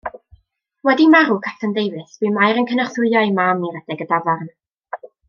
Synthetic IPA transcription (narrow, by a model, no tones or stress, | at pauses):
wɛdimaɾukʰatʰəndejvɨθv̥ɨmajɾənkʰənaχθʊɨɔɨmamiɾəd̥ɛɡədavarn